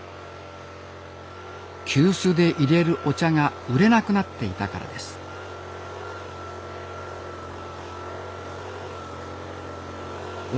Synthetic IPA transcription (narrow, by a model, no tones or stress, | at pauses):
kʲɨːsɨːd̪e̞ʔiɾe̞ɾɯ̟ʔo̞t͡ɕaŋaɯɾe̞nakɯ̟nat̪ːe̞it̪aka̰ɾa̰d̪e̞sɨ̥